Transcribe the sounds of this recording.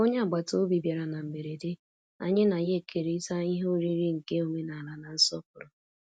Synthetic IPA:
o˦ɲe˦a˨ɡ͡ba˨to˦bi˨bja˨ɾa˨na˨m̩˨be˨ɾe˨de˦ | a̰˨ɲɪ˦na˨je˦˨kʰe˨ɾe˦i˦ta˦i˦ɦo˦ɾi˦ɾi˦ŋ̩˨ke˦o˨me˦na˨la˨na˨n̩˦sɔ˦pʊ˨ɾʊ˨

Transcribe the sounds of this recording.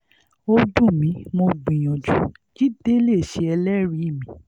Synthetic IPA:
o˧dũ˦˨mĩ˨˦mo˧ɡ͡bĩ˨j̃ɔ̃˨d͡ʒu˨˦ | d͡ʒi˦de˦le˦˨ʃe˧˦ɛ˧lɛ˦ɾi˨˦i˦˨mĩ˨˦

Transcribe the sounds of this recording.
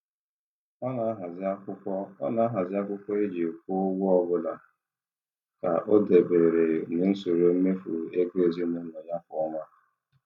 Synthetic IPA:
ɔ˦na˨˦ɦa˨zkʷʊ˦kʷɔ˦na˨˦a˦ɦa˨zɪ˦a˦kʷʊ˦kʷɔ˦e˦d͡ʒi˨kʷo˦ɡʷʊ˦ɔ˦bʊ˦la˨ | ka̰˨ʔo˦de˨be˨ɾe˨nɪ˦n̩˦so˨ɾo˦me˦fṵ˨e˦ɡe˦e˨zi˦nɪ˦nɔ˨ja˦fɔ˦ŋa˦

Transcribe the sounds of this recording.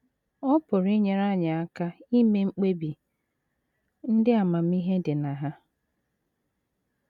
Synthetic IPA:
ɔ˦pʊ˨ɾi˦ɲe˨ɾa˦ɲa˨a˦ka˦i˦me˦ŋ͡m̩˦k͡pe˦bi˨ | n̩˦dɪ˦a˨ma˨m̩˦i˦ɦe˦dɪ˨na˨ɦa˦

